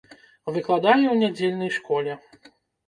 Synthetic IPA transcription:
vɨklˠad̪ajʲuwnʲad͡zʲelʲnɐjʂkɔlʲɛ

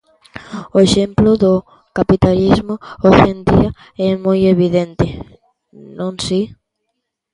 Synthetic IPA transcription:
ʊeʃemplʊðʊ | kapit̪alizmʊoʃend̪iɐ | ɛmojeβiðent̪ɪ | nõŋsi

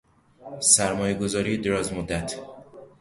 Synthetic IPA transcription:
sæɾmɒːjeɡo̞zɒːɾiːed̪eɾɒːzmod̪ːæt̪ʰ

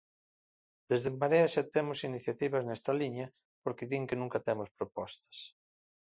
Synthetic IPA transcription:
d̪ezðempaɾeɐʃat̪ɛmʊsiniθjat̪iβɐznɛst̪ɐliɲɐ | poɾkɪðiŋkenũŋkɐt̪ɛmospɾopɔst̪ɐ̥s

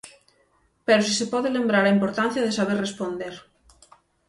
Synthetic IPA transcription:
peɾos̬isepɔðelembɾaɾaimpoɾt̪ãn̟θjaðesaβ̞errespond̪eɾ

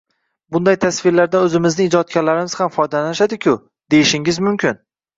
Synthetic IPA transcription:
bʊnd̪ajt̪ʰasfɪɾlaɾd̪aɵzɪmɪznɪɪd͡ʒɒt̪̚kʲaɾlaɾɪmɪz̥hamfɒjd̪alanʃad̪ɪkʲʰʊ | d̪e̞jɪʃɪŋɪzmʊmkʲɪn

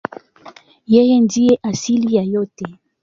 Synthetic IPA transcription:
jejendieʔasilijajote

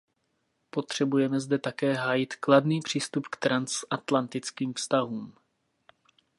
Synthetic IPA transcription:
po̞t̪r̝̥ɛbujɛmɛzdɛt̪akɛːɦaːjɪt̪kladniːpr̝̥iːst̪upkt̪ɾansʔat̪lant̪ɪt͡skiːmfst̪aɦuːm

